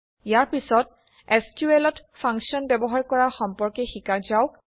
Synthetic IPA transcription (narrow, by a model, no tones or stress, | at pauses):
ijaɹpisɔt̚ | ɛskuelɔtpʰãŋksiɔnbɛbɔɦaɹkɔɹaxɔmpɔɹkɛxikaɹzawk